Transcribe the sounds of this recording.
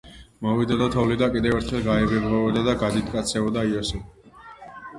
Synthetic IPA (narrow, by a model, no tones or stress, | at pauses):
mɔvid̪ad̪ɔt̪ʰɔvlid̪akʼid̪ɛvɛɾt̪ʰχɛlˠɡaɛbɛbʁɔɔd̪ad̪aɡad̪it̪ʰkʼat̪sʰɛɔd̪aiɔsɛ